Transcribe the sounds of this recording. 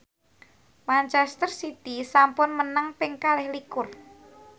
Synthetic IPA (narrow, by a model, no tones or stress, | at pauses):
mant͡ʃɛst̪ərsit̪isampʊnmənəŋpɪŋkalɪhlikʊr